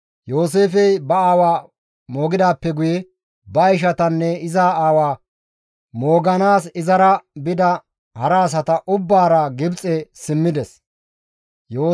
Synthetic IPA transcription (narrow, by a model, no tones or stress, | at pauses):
jo̞ːse̞ːfɛjbɐaːwaː | mo̞ːɡɪd̪aːpːɛɡʊjɛ | bɐɪʃ̬ɐt̪ɐnːɛɪzaːaːwaː | mo̞ːɡɐnaːsɪzɐɾɐbɪd̪ɐ | hɐɾaːs̬ɐt̪ɐʔʊbːaːɾɐɡɪbt͡sʼɛsɪmːɪd̪ɛs | joː